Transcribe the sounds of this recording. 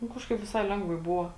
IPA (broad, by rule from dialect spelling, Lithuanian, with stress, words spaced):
nʊ ˈkɑːʃkɐɪp ʋʲɪˈsɐɪ ˈlʲɛŋɡʋɐɪ ˈbʊʋoː